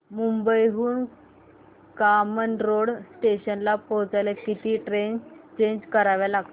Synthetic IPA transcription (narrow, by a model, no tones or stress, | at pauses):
mumbəjɦuːn | kamənɾoɽsʈeɕənlapɔwt͡sajlekit̪iːʈɾent͡ɕeɲd͡ʑkəɾaʋjalaɡt̪o